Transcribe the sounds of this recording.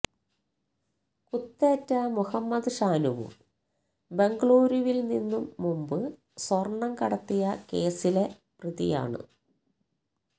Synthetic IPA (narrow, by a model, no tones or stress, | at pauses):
kut̪ːeːtːɐmuhɐmːɐd̪ɨʂaːnuʋṵ | be̞ŋɡɭoːɾjuʋilninːumːumbɨ | swɐrɳːɐmkɐɽɐt̪ːijɐke̞ːsile̞ | priðḭja̰ːɳɨ̰